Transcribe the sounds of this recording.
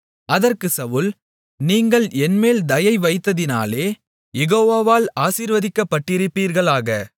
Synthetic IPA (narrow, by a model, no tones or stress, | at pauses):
ʔɐðɐrkɯsɐʋʊl | niːŋɡɐɭɛnmeːld̪ɐjɐɪʋɐɪt̪ːɐðɪna̰ːleː | jɛɣoːʋaːʋaːlaːsiːɾʋɐðɪkːɐpːɐʈːɪɾɯpːiːɾɣɐɭaːɣɐ